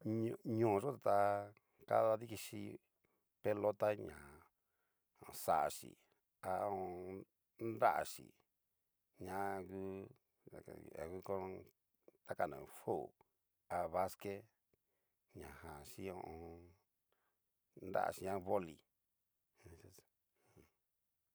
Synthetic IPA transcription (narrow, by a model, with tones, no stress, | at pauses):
ɲ˧ɲõː˨˧ʐo˦t̪a˨t̪a˧ | ka̰˦ða˧ði˦ki˧ʃi˧˦ | pe˦lo˦t̪a˦ɲã˨ | õ˧˨sa˨ʔa˨ʃḭ˨ | a˧õ˧ | nd̪a˦ʔa̰˨ʂḭ˨ | ɲã˦ɡu˦˨ | a̰˨ɣu˦kõ˦˧ | t̪a˦ka˧˨nã̰˨˧fo˦˨ | a˧βa˦ske˦ | ɲã˨hã˨ʃi˦õ˧õ˧ | nd̪a̰˦ʔa̰˨ʃi˨ɲã˦˧βo˦li˨˧˨